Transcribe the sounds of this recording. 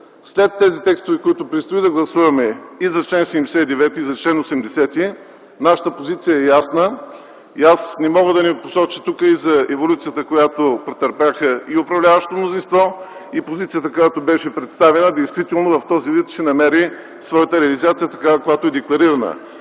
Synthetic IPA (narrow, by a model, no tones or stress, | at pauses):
slɛt̪ːɛzit̪ɛkst̪ovɛkoit̪ʊpɾɛt̪st̪oid̪ɐɡlˠɐsuvɐmɛizɐt͡ʃlɛnsɛid̪ɛsɛid̪ɛvɛt̪iizɐt͡ʃlɛnosɛmd̪ɛsɛt̪i | naʃə̥t̪əpozit̪sijəɛjasnə | iasnɛmɔɡəd̪ɐniposɔt͡ʃit̪ukəizɐɛvolʲut̪sijət̪əkojat̪opɾɛt̪əɾpaxəiʊpɾɐvlʲavɐʃtt̪omnozinst̪vɔ | ipozit̪sijət̪əkojat̪obɛʃɛpɾɛt̪st̪avɛnəd̪ɛjst̪vit̪ɛlˠnovɐft̪ɔzivit̪ʃɛnɐmɛɾi | svɔjət̪əɾɛɐlizat̪sijət̪ɐkakojat̪oɛd̪ɛklˠɐɾiɾɐnə̰